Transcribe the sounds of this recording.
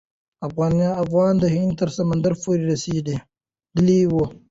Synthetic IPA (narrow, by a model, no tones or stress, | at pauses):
ɐfɣaːnaːfɣaːnd̪ɐɦiːnt̪ɐɾsɐmɐnd̪ɐɾfoɾiɾɐsiːd̪e | d̪ɪliːwo